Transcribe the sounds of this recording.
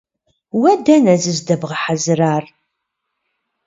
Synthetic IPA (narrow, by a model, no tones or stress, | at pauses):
wæd̪ænæzəzd̪ævʁħazɾaɾ